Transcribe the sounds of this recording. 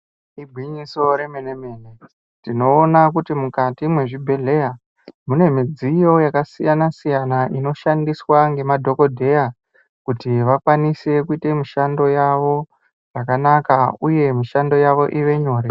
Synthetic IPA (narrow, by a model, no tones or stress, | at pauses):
ibʱwiɲiso̞ɾe̞meneme̞ne | tino̞ːnakutimukatimwe̞ʐibʱe̞ɮe̞ja | mune̞mid͡zijo̞jakasijanasijanaʔino̞ʃandiswaŋɡe̞madʱo̞ko̞dʱe̞ja | kutiʋakwanise̞kuite̞miʃando̞jaʋo̞ | ʐakanakauje̞miʃando̞jaʋo̞ʔiʋe̞ɲo̞ːɾe